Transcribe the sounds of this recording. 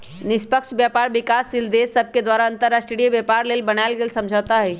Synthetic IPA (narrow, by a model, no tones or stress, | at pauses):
nɪspəkʃbjaːpaːɾʋɪkaːsːɪld̪eːsɐb̚ʱked̪waːɾaɐ̃nt̪əɾaːʃʈɾeɽijebjaːpaːɾleːlbɐnaɪlɡeːlsɐ̃md͡ʒʱaːt̪aɦɛː